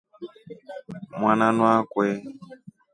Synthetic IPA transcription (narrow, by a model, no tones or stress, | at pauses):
mwananwakwɛ